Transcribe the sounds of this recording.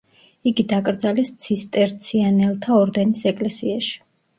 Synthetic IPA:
iɡid̪akʼɾd̪zalɛst̪sʰist̪ʼɛɾt̪sʰianɛlˠt̪ʰaɔɾd̪ɛnisɛkʼlɛsiaʃi̥

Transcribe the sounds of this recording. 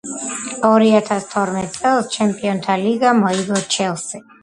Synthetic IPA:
ɔɾiat̪ʰast̪ʰɔɾmɛt̪̚ʼsʼɛlˠst͡ʃʰɛmpʼiɔnt̪ʰaliɡamɔiɡɔt͡ʃʰɛlˠsi

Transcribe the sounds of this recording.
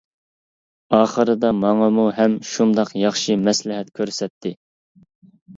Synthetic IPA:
ɑːχəɾɨd̪ɑmɑŋɑmuɦɛmʃund̪ɑqjɑχʃɨmɛslɪɦɛt̪kʲʰøɾsɛt̪ʰːɪ

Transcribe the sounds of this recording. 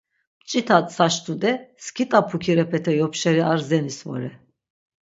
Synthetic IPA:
t͡ʃʼit̪ʰat̪ʼsaʃt̪ʼud̪ɛskʰit̪ʼapʰukʰiɾɛpʰɛt̪ʰɛjɔpʃɛɾiaɾzɛnisvɔ̰ɾɛ

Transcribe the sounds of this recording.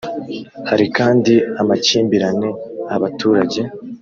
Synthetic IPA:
haɾikaːndiamaciːmbiɾane̞aβatʰuːɾaɟe̞

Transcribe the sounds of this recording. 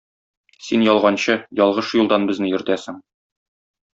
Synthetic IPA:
sinjɒlˠʁɑnɕɤjɒlˠʁɤʃjulˠd̪ɑnbɘ̆znɘjɵ̆ɾt̪æsɘŋ

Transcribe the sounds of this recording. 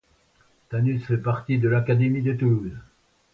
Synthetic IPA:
t̪anysfɛpaʁt̪id̪əlakad̪emid̪ət̪uluz

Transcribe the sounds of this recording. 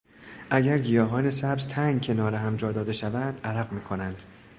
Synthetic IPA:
ʔæɟæɾɡijɒːɦɒːnesæbzt̪ʰæŋɡcʰe̞nɒːɾeɦæmd͡ʒɒːd̪ɒːd̪e̞ʃævænd̪ʔæɾæɣmiːkʰo̞nænd̪̥

